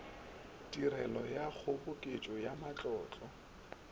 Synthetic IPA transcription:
diɾɛlɔjak͡xʰʊbʊkʼet͡ʃʼɔjamat͡ɬʼɔːt͡ɬʼɔ

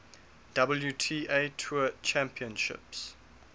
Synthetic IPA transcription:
d̥ʌbəljutʰiːʔetʰuət͡ʃæ̃mpʰiə̃nʃɪ̰ps

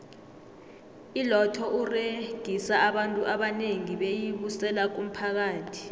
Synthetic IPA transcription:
ilɔtʰɔʔureɡ̥ʱisaaɓantʼuʔaɓaneŋiɓejiɓusɛlak̬um̩pʰak̬aːtʰi̥

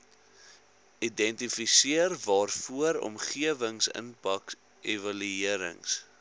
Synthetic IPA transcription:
idɛntifisiərvɑːrfuəɾɔ̰mχiəvəŋsə̰npɐk | ʔevɐlyiəɾə̰ŋs

